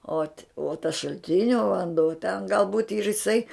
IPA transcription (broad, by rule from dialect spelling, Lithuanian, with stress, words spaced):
oːt uɔ tɐs ʃɐlʲˈtʲɪnʲoː ʋɐnˈduɔ tʲɛn ɡɐlˠ buːtʲ ɪ ɪr ɪˈsɐɪ